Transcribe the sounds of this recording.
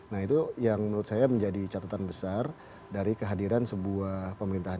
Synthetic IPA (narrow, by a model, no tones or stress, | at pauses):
nahit̪ujaŋməɾut̪̚sajaməɲd͡ʒadit͡ʃat̪at̪anbəsar | daɾikəɦadiɾansəbuahpəməɾint̪aɦ